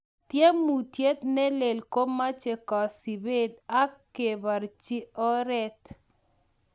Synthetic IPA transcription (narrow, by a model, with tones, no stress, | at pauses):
tje˦mu˨tje˦t̪ne˦le˨lko˦ma˦t͡ʃe˨kɔ˨si˨be˦d̪a˦kkːe˨ba˨ɾt͡ʃi˦ɔ˦ɾɛ˦t